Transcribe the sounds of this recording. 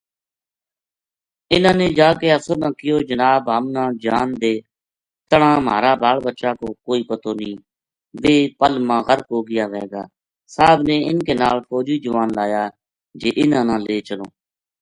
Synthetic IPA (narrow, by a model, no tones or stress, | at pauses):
ɪnãːneːd͡ʒaːkeːəsoːnãːkɪjoːd͡ʒənaːbɦəmnãːd͡ʒaːnd̪eː | t̪əɽãːma̰ːɾaːbaːlbətːʃaːkoːkoːiːpət̪oːnĩː | ʋeːpəlmãːɣəɾkoːɡɪjaːʋɛːɡaː | saːbneːɪnkeːnaːlpʰɔːd͡ʒiːd͡ʒəʋaːnlaːjaː | d͡ʒeːʔɪnãːnãːleːt͡ʃəloː